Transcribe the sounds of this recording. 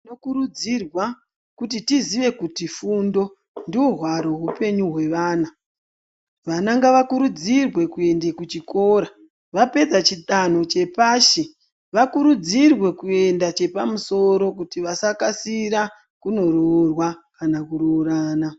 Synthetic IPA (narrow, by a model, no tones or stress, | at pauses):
nokuɾud͡zirwa | kutitiziʋe̞kutifundo̞ | ndioɦwaɾo̞ɦupe̞ɲuɦwe̞ʋaːna | ʋanaŋɡaʋakuɾud͡zirwe̞kue̞ndekut͡ʃiko̞ɾa | ʋape̞d͡zat͡ʃiɗan̤o̞t͡ʃe̞paːʃe | ʋakuɾud͡zirwe̞kue̞ndat͡ʃe̞pamuso̞ɾo̞k̬utiʋasakasiɾa | kuno̞roːrwakanakuɾoːɾaːna